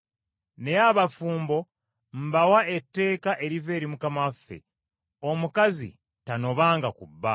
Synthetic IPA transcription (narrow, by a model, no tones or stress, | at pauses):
ne̞jaβafuːmbo̞ | m̩bawae̞tːe̞ːkaʔe̞ɾive̞ːɾimukamafːḛ | o̞mukazḭ | tano̞βaːŋɡakubːa